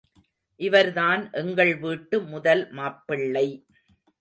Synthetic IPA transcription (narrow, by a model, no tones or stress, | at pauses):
ʔɪʋɐɾðaːnʔɛŋɡɐɭʋiːʈːɯmʊðɐlmaːpːɪɭːɐɪ